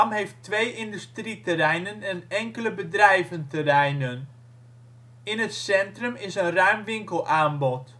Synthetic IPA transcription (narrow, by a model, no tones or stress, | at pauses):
mɦejftʋejɪndystritərɛjnənənɛŋkələbədrɛjvəntərɛjnən | ɪnɦətsɛntrəmɪsənrœɥmʋɪŋkəlˠaːnbɔt